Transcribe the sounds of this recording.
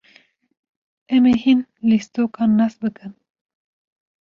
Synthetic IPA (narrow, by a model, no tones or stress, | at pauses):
ɛmehinlist̪oːkɑːnːas̚bɨkɨn